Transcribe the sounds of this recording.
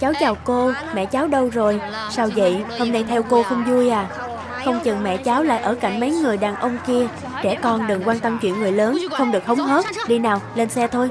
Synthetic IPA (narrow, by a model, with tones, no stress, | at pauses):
t͡ɕaː˨˦wt͡ɕaː˨˩wko˧ | mɛ̰˧˨t͡ɕaː˨˦wɗə˧wzo˨˩j | saː˧wzə̰˧˨jho˧mna˧jt̪ʰɛ˧wko˧xə˧wŋ͡mzu˧əjʔaː˨˩ | xə˧wŋ͡mt͡ɕɨ˨˩ŋmɛ̰˧˨t͡ɕaː˨˦wla̰ː˧˨jʔəː˧˩ka˧˩jŋ̟mə˨˦jŋɨ˨˩əjɗaː˨˩nʔə˧wŋ͡mki˧ə | t͡ɕɛ̰˧˩kɔ˧nɗɨ˨˩ŋkwaː˧nt̪ə˧mt͡ɕwḭ˧˨ənŋɨ˨˩əjləː˨˦nxə˧wŋ͡mɗɨ˨˩ək̚hə˨˦wŋ͡mɦə˦˥t̚ɗi˧naː˨˩wle˧nsɛ˧t̪ʰo˧j